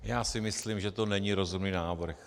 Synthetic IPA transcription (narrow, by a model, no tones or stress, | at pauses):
jaːsɪmɪslimʒɛt̪onɛɲiɾozumniːnaːvr̩x